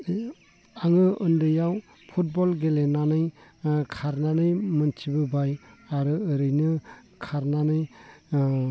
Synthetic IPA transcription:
aŋɯʔɯndɯjaw | pʰut̚bɔlɡelenanɯjkʰaɾnanɯjmɯntʰibɯbajaɾɯːɾɯjnɯ | kʰaɾnanɯj

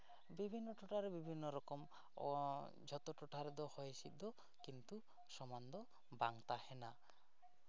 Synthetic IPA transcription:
bibʱinːɔʈʰoʈaɾebibʱinːɔɾɔkɔm | d͡ʒʱɔt̪ɔʈʰɔʈʰaɾed̪ɔhɔjesid̪ɔ | kint̪u | sɔmand̪ɔ | baŋt̪ahena

